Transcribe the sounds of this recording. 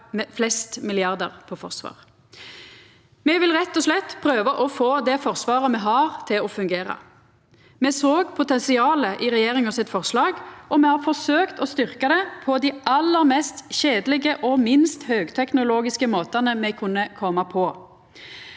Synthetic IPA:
mɛflɛst̪mɪlɪɑʁd̪əʁpʰɔfɔʁsʋɑ̰ːʁ | mɛʋɪlʁɛt̪ːɔslɛt̪ːpʰʁøːʋəʔɔfoːd̪ɛfɔʁsʋɑːʁəmɛɦɑːʁt̪ʰɪlɔfʉŋɡeːʁɑ̰ | mɛsoːɡpʰʊt̪ɛnsɪɑːləʔɪʁɛjeːʁɪŋɔsɪt̪fɔʁslɑːɡʔɔmɛhɑɾfɔʁsøːkt̪ɔst̪ʏʁkɑd̪ɛpʰɔd̪ɪʔɑlːəʁmɛst̪ʃeːd̪lɪɡəʔɔmɪnst̪høːɡt̪ʰɛknʊloːɡɪskəmoːt̪ɑnəmɛkʰʉnːəkʰɔmɑpʰɔ

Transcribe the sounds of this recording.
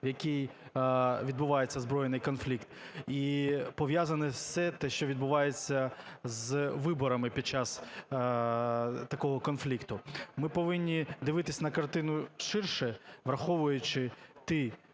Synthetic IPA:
jɐkʲij | ʋʲid̪̚bʊʋɑjet͡sʲːɐzbɾɔjenɪjkɔnflʲikt̪ipɔʋʲjazɐnɛsɛt̪ɛʃt͡ʃɔʋʲid̪̚bʊʋɑjet͡sʲːɐzʋɪbɔɾɐmɪpʲid̪̚t͡ʃas | t̪ɐkɔɦɔkɔnflʲikt̪ʊmɪpɔʋɪnʲːid̪ɪʋɪt̪ɪsʲnɐkɐrt̪ɪnʊʃɪrʃɛʋɾɐxɔʋʊjʊt͡ʃɪt̪ɪ

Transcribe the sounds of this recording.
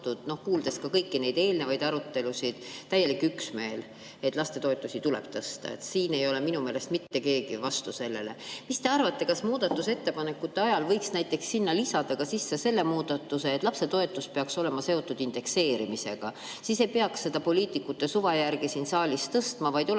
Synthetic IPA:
t̪ud̪̥no̞hkuːld̪̥e̞skɑkɤjkːine̞jd̪̥e̞ːlne̞vɑjd̪ɑɾut̪ːe̞lusʲid̪̥t̪ːæjːe̞likːˑyksme̞ːl | e̞t̪ːˑlɑst̪e̞t̪o̞et̪ːˑusit̪ulḛb̥̚t̪ɤst̪ɑ̰e̞̰t̪siːne̞jo̞le̞minume̞ːle̞st̪mit̪ːe̞ke̞ːɡivɑst̪use̞lːe̞le̞mist̪e̞ɑrvɑt̪ːe̞kɑsmuːd̪̥ɑt̪ːˑuse̞t̪ːe̞pɑne̞kːˑut̪ːe̞ɑjɑlvɤ̞jksnæjt̪ːˑe̞ksːinːɑlisɑd̪̥ɑkɑsisːese̞lːe̞muːd̪̥ɑt̪ːˑuse̞ːt̪lɑpse̞t̪o̞e̞t̪ːˑuspeɑkso̞le̞mɑse̞o̞t̪ːˑud̪̥ind̪e̞kse̞ːɾimise̞̰ɡ̥ɑ | sise̞jpeɑksse̞d̪̥ɑpo̞lʲiːt̪ikːˑut̪ːˑe̞suvɑjærɡ̥isinsɑːlʲist̪ɤst̪mɑvɑjd̪̥o

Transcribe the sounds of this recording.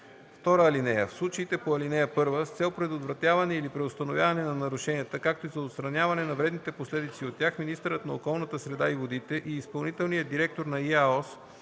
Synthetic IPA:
ft̪ɔɾəːlinɛjə̰fslˠut͡ʃəit̪ɛpoɐlinɛjəpɤɾvəst̪sɛlˠpɾɛd̪ot̪vɾɐt̪javɐnɛilipɾɛost̪ɐnovʲjavɐnɛnɐnɐɾʊʃɛnʲiət̪əkak̚t̪oizɐot̪st̪ɾɐnʲavɐnɛnɐvɾɛd̪nit̪ɛposlɛd̪it̪siot̪ːjaxminist̪əɾət̪nɐokɔlˠnət̪əsɾɛd̪aivod̪it̪ɛʔiːspɐlˠnit̪ɛlˠnijəd̪iɾɛk̚t̪oɾnɐiaɔs

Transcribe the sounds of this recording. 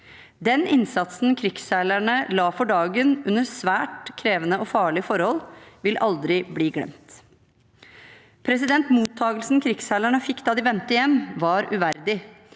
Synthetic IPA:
d̪ɛnɪnsɑt̪sn̩kʰɾɪksælæɳəlɑːfɔɖɑːɡənʉnːəɾsʋæːʈkʰɾeːʋənəɔfɑːɭɪfɔɾhɔlʋɪlʔɑld̪ɾɪbliːɡlɛ̰mt̪ | pʰɾɛs̬ɪd̪ɛnt̪muːt̪ʰːɑːɡəlsn̩kʰɾɪksælæɳəfɪkːd̪ɑːd̪ɪʋɛnt̪əjɛmʋɑɾʉʋæɾd̪ɪ

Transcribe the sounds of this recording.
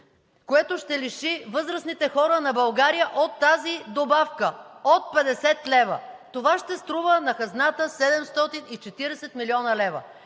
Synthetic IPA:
koɛt̪oʃt̪ɛliʃivɤzɾəsnit̪ɛxɔɾənɐbɐlˠɡaɾijəʔot̪ːazid̪obafkəot̪̚pɛd̪ɛsɛt̪lɛvə̰t̪ovaʃt̪ɛst̪ɾuvənɐxɐznat̪əsɛd̪ɛmst̪ɔt̪init͡ʃɛt̪iɾɛsɛt̪miliɔnɐlɛvə̰

